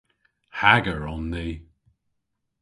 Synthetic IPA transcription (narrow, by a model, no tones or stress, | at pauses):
haɡəɹɔnːiː